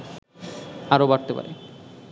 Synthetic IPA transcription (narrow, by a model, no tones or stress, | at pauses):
aɾobaɾt̪epa̰ɾḛ